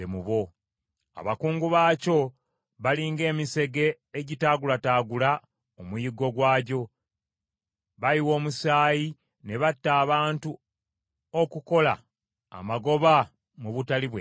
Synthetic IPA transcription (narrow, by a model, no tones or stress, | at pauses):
emuβo̞ | a̰βakuːŋɡuβaːco̞ | βaliːŋɡe̞ːmise̞ɡe̞ː | ɟitaːɡulataːɡula | omujiɡo̞ɡwaːɟo̞ | βajiwo̞ːmusaːji | ne̞βatːaːβaːntu | okuko̞la̰ | a̰maɡo̞βa | muβutaliβwe